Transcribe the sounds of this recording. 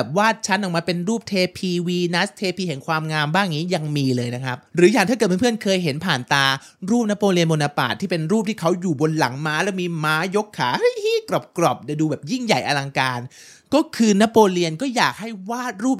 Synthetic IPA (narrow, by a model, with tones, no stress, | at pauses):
ɛː˨˩p̚waː˥˩t̪̚t͡ɕʰa˦˥nʔɔ˨˩ŋmaː˧pe˧nɾuː˥˩p̚t̪ʰeː˧pʰiː˧wiː˧na˦˥st̪ʰeː˧pʰiː˧hɛ˩˦ŋkʰwaː˧mŋaː˧mbaː˥˩ŋniː˦˥ja˧ŋmiː˧lɤː˧jna˦˥kʰa˦˥p̚ɾɯː˩˦jaː˨˩ŋt̪ʰa˥˩ɤː˨˩t̚ʰːpʰɯ˥˩ənkʰɤː˧jɦe˩˦npʰaː˨˩nt̪aː˧ | ɾuː˥˩p̚na˦˥pːoː˧li˧ənmo˧naː˧pa̰ː˨˩t̪ʰːiː˥˩pe˧nɾuː˥˩p̚t̪ʰiː˥˩kʰa˦˥wjuː˨˩bo˧nla̰˩˦ŋmaː˦˥lɛː˦˥wmiː˧maː˦˥jo˦˥kʰːaː˩˦hɤ˦˥jhiː˥˩kɾɔ˨˩p̚kɾɔ˨˩p̚daː˨˧˩jduː˧bɛː˨˩p̚ji˥˩ŋja˨˩jʔa˧la˧ŋkaː˧n | kɔː˥˩kʰɯː˧naː˦˥pːoː˧li˧ənkɔː˥˩jaː˨˩k̚ha˥˩jwaː˥˩t̪̚ɾuː˥˩p̚